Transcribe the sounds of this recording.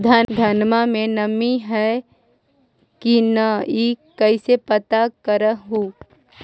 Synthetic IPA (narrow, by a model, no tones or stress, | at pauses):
d̪ʱaːnd̪ʱɐnmamẽnɐmiɦɛ | kinəikɐɪsepət̪akəɾəɦuː